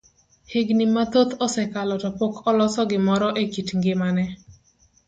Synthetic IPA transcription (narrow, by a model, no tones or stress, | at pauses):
heɡnimːat̪ot̪ɔsɛkalɔtɔpokʰɔlɔsɔɡɪmɔɾɔʔekitŋɡɪmanɛ